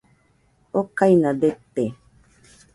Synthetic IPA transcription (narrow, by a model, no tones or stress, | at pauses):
okajnad̪et̪ːe